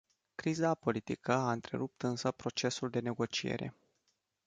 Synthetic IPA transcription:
kɾizapo̞lit̪ikəaɨnt̪ɾe̞̰ɾup̚t̪ɨnsəpɾo̞t͡ʃe̞suld̪e̞ne̞ɡo̞t͡ʃie̞̰ɾʔe̞̰

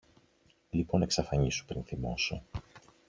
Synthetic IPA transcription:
lipo̞ne̞ksɐfɐɲisu̥pɾinθimo̞̰so̰

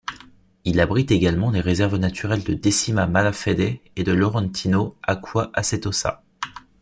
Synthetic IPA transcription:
ilabʁit̪eɡalmɑ̃leʁezɛʁvnat̪yʁɛld̪əd̪esimamalafed̪ɛed̪əlɔʁɑ̃t̪ʰinoakʰwaʔaset̪osa̰

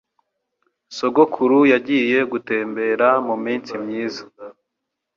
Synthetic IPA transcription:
so̞ɡo̞kʰuɾujaɟije̞ɡute̞ːmbe̞ːɾamumiːnt͡simɲiːzḁ

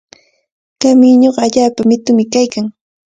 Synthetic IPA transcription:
kamɪɲoɢɑaʎaːpamɪt̪ʊmɪkajkaŋ

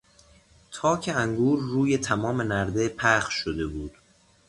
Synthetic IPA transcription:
t̪ʰɒːcʰe̞æŋɡuːɾːuːjet̪ʰæmɒːme̞næɾd̪e̞pʰæχʃod̪e̞buːd̪̥

